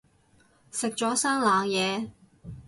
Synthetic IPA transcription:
sɪ˨k̚t͡ʃɔː˨˥saː˥ŋlaː˨˧ŋjɛː˨˧

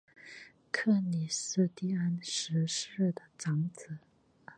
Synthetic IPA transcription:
kʰɤ˥˩ni˨˩ʂ̩˥˧t̪i˥˩a˥nʂɻ̩˧˥ʂɻ̩˥˩d̪ə˩ʈ͡ʂɑ˧˥ŋt͡sɹ̩˨˩˦

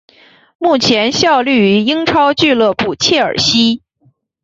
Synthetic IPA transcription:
mu˥˩t͡ɕʰjɛ˧˥nɕjɑ˥˧ʊly˥˩y˧˥i˥ŋʈ͡ʂʰɑ˥ʊt͡ɕy˥˧lɤ˥˧pu˥˧˩t͡ɕʰjɛ˥˩ə̰˞˨˩ɕi˥

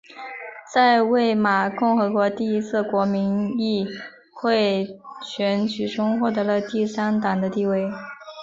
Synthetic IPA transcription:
t͡sa˥˧ɪwe˥˩ɪma˨˩kʊ˥˩ŋxɤ˧˥kwɔ˧˥t̪i˥˩i˥t͡sʰɹ̩˥˩kwɔ˧˥mi˧˥ni˥˧ | xwe˥˧ɪt͡ɕʰɥɛ˧˥nt͡ɕy˨˩ʈ͡ʂʰʊ˥ŋxwɔ˥˩t̪ɤ˧˥lə˧t̪i˥˩sa˥nt̪ɑ˨˩ŋd̪ə˦t̪i˥˧we˥˩ɪ

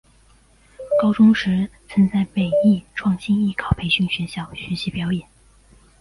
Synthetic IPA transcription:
kɑ˥ʊʈ͡ʂʊ˥ŋʂɻ̩˧˥t͡sʰə˧˥nt͡sa˥˩ɪpe˨˩ɪi˥˩ʈ͡ʂʰwɑ˥˩ŋɕi˥ni˥˩kʰɑ˨˩ʊpʰe˧˥ɪɕy˥˩ŋɕɥɛ˧˥ɕjɑ˥˩ʊɕy˧˥ɕi˧˥pjɑ˧˥ʊjɛ˨˩˦n

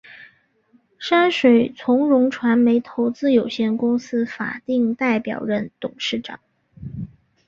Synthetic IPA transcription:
ʂa˥nʂwe˨˩ɪt͡sʰʊ˧˥ŋɻʊ˧˥ŋʈ͡ʂʰwa˧˥nme˧˥ɪt̪ʰo˧˥ʊt͡sɹ̩˥jo˨˩ʊɕjɛ˥˩nkʊ˥ŋsɹ̩˥fa̰˨˩t̪i˥˧ŋt̪a˥˩ɪpjɑ̰˨˩ʊɻə˥˧˥nt̪ʊ˨˩ŋʂɻ̩˥˩ʈ͡ʂɑ̰˨˩˦ŋ

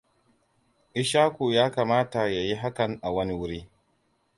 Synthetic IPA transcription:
ʔɪ˦ʃaː˦kʷu˨jaː˦kaː˨maː˦ta˨ja˨ji˦ɦa˦kɐ˨ŋʔa˨wɐ˦ni˦wʊ˦ɽiː˦

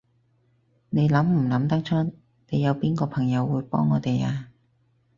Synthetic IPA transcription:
ne˨˧jlɐ˨˥mm̩˨˩lɐ˨˥mt̪ɐ˥ŋt͡ʃʰɔ˥ | ne˨˧jːɐ˨˧wpiː˥nkɔː˧pʰɐ˨˩ŋjɐ˨˧wːuː˨˧jpɔ̰ː˥ŋːɔː˨˧t̪e˨jaː˧

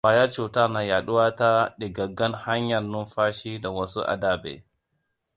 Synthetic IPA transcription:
waː˨jɐ˦ɾt͡ʃu˨ta˦ɾna˨ja˨ɗʊ˦wa˦ta˦ɗi˨ɡɐ˨ɡɐ˦nha˦ɲjɐ˨lnʊ˦nɸaː˦ʃi˦da˨wɐ˦su˦ʔa̰˨da˦bɛ̰˨

